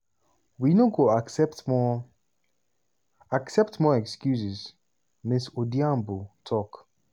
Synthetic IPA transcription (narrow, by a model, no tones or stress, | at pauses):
winoɡoasɛptmɔ | aksɛp̚tmɔɛkskjusiz | misodiãmbutʰɔk